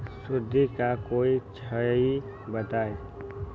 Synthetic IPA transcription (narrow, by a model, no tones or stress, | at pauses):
sʊd̪ʱːikakoːit͡ʃʰəi | bət̪aːe